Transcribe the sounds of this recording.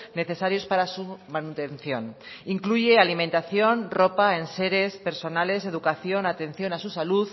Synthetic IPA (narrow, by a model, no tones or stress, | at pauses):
ne̞θe̞saɾjo̞spaɾasumanut̪e̞n̟θjo̞niŋkluʝe̞alimẽnt̪aθjo̞nro̞paense̞ɾe̞spe̞ɾso̞nale̞se̞ð̞ukaθjo̞nat̪ẽ̞n̟θjo̞nasusaluð